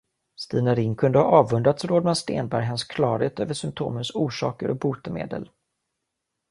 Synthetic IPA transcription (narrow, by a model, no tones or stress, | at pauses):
st̪iːnaɾɪŋkʰɵnd̪əhɑʔɑːvɵnd̪ɾat̪sɾoːd̪manst̪eːnbæɾjɦɛnskʰlɑːɾeːt̪øːvəʂʏmp̚t̪ʰo̰ːmənsuːʂɑ̰ːkəɾʔɔbuːt̪əmḛːd̪ə̰l